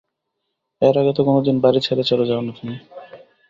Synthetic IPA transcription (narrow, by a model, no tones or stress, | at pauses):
ɛɾaɡat̪̬okonod̪inbaɾit͡ɕʰeɾet͡ɕɔlod͡ʑaonat̪ʰini